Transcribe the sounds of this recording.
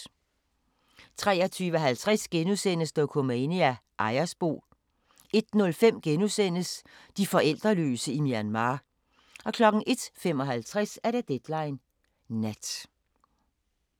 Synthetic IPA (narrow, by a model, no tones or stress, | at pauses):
t͡sʰʁɛ̰ːɐt͡sʰyːʋəɦælt͡sʰʁasɡ̥enusen̰əsd̥ɒkʰo̝meɪniæʔɑ̈ɪɐsb̥o̝̰ː | e̝d̥nɔ̽lfem̰ɡ̥enusen̰əsd̥ifɒ̽ʔel̰d̥ʁɐlø̰ːsəimiænmɑ̈ː | ɒ̽kʰlɒ̽ɡ̥n̩ʔe̝d̥fem̰ɒ̽ɦælt͡sʰʁasæɐɾ̥ed̥ed̥lɑ̈ɪnː | æd̥